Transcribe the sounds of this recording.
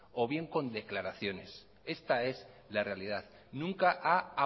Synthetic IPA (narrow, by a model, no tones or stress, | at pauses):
o̞βje̞ŋko̞nd̪e̞klaɾaθjo̞ne̞s | e̞st̪ae̞s | lare̞aliðað | nũŋkaʔaa